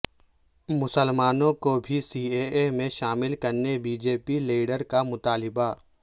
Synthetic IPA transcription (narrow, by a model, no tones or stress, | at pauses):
mʊsəlmaːnõkobʱisiːeːemẽʃaːmɪlkɐɾnebiːd͡ʒeːpiliːɖəɾkamʊt̪aːlɪba